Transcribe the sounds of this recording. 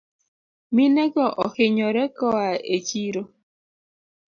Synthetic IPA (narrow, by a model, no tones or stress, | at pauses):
minɛɡɔʔɔhɪɲɔɾɛkɔaet͡ʃiɾo